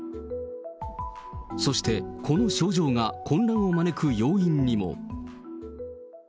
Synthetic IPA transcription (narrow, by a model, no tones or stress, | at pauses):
so̞ɕi̥t̪e̞kʰo̞no̞ɕo̞ːʑo̞ːŋakʰõ̞nɾãɰ̃o̞mane̞kɯ̟jo̞ːĩɲ̟ːimo̞̰